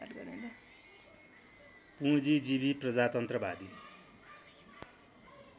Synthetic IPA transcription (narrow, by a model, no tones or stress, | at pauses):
aʈɡʌɾund̪ʌ | pud͡zid͡zibiprʌd͡zat̪ʌnt̪rʌbad̪i